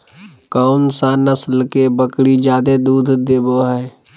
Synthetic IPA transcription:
kaʊnsanəslkebəkɽid͡ʒaːd̪ed̪uːd̪ʱd̪eːboɦɛː

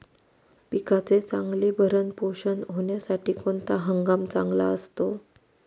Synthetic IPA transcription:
pikat͡set͡saŋɡliːbʱəɾənpoɕənɦoɳjasaʈiːkoɳt̪aɦəŋɡamt͡sa̰ŋɡla̰əst̪o

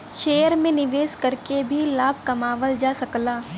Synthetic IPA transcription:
ʃeːjəɾmẽnɪʋeːskɐɾkebʱilaːb̚ʱkɐmaːʋəld͡ʒaːsɐklaː

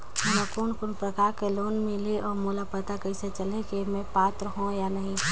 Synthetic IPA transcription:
ɐlakunkʊnpɾəkaːɾkeloːnmẽleʔɔːɾmulapət̪akɐiset͡ʃəlekemẽpaːt̪ɾɦõjanɐɦĩ

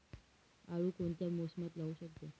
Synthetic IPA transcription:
aʋuːkoɳt̪jamosmat̪lauɕək̚t̪o

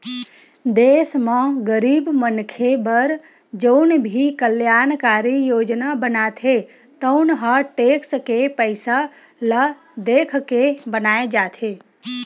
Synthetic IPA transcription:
d̪eːsmə̃ɡəɾiːbmənkʰebəɾ | d͡ʒənbʱikəljaːnkaːɾijoːd͡ʒnabənat̪ʰe | t̪əʊnɦəʈeːkskepəɪsa | lə | d̪eːkʰkebənaːed͡ʒaːt̪ʰe

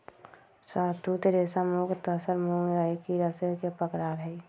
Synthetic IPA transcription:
saːt̪ʰut̪eɾeːsamoːkt̪əsəɾmoŋɾaekiɾəsekepəkɾaːɾɦɛ

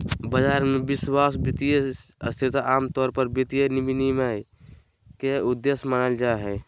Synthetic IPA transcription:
bəd͡ʒaːɾmẽbɪswaːsbit̪ijəəst̪ʰit̪aːmt̪ɔːɾpəɾbit̪ijənibinima | keud̪ːesmənəld͡ʒaeɦɛ

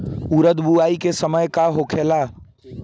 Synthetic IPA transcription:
uɾəd̪buaːikesəməjkaɦokʰela

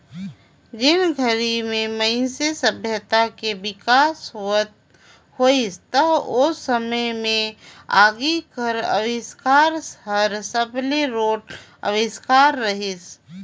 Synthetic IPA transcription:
ɡɪnɡʱəɾimẽməɪsesəbʱjət̪akebɪkaːsɦət̪̚ | hoːist̪əbʊsːəməjmẽa̰ːɡikəɾə̰ʋɪskaːɾsɦəɾsəbleɾoːʈ | ə̰ʋɪskaːɾːəɦɪs

